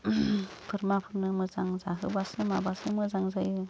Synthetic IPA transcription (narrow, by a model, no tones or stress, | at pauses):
pʰɯɾmapʰɯɾnɯmɯzaŋzaɦɯ̰basɯmabasɯmɯzaŋzajɯ